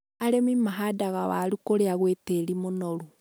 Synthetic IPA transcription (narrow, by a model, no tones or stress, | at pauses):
aɾemimaɦadaɣawaɾukoɾeaɣweteːɾimonɔɾu